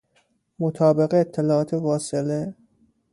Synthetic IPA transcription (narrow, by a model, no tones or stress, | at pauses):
mot̪ʰɒːbe̞ɣeːt̪ʰːelɒːʔɒːt̪ʰevɒːsele